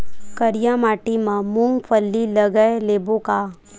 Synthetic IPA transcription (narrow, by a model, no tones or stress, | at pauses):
kəɾjamaːʈimãmũŋɡpʰəlːiləɡəleːboka